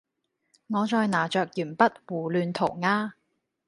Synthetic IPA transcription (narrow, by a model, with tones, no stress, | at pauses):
ŋɔː˨˧t͡ʃɔː˧jnaː˨˩t͡ʃœː˨k̚jyː˨˩npɐ˥t̚wuː˨˩lyː˨˧nt̪ʰo˨˩wŋaː˧